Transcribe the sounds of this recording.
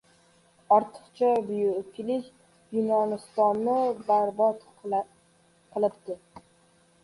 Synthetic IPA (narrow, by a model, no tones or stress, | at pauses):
ɒɾt̪ʰɨ̥qt͡ʃʰabʊjʊkʰʲlɪs | jʊnɒnɪst̪ɒnːɪbaɾbɒt̪ | qʰɨlˠɪpt̪ɪ